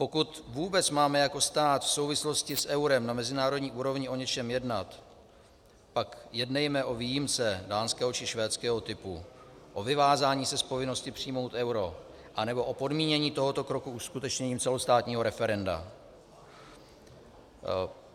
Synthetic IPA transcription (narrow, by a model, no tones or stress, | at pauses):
po̞kut̪vuːbɛt͡smaːmɛjako̞st̪aːt̪fso̞wvɪslo̞scɪsʔɛwɾɛmnamɛzɪnaːɾo̞dɲiːʔuːɾo̞vɲɪʔo̞ɲɛt͡ʃɛmjɛdnat̪ | pakjɛdnɛjmɛʔo̞viːjimt͡sɛdaːnskɛːɦot͡ʃɪʃvɛːt͡skɛːɦo̞t̪ɪpu | ʔo̞vɪvaːzaːɲiːsɛspo̞vɪno̞scɪpr̥ijmo̞wt̪ʔɛwɾo̞ | ʔanɛbo̞ʔopo̞dmiːɲɛɲiːt̪o̞ɦo̞t̪o̞kɾo̞kuʔuskut̪ɛt͡ʃɲɛɲiːmt͡sɛlo̞st̪aːt̪ɲiːɦo̞ɾɛfɛɾɛnda̰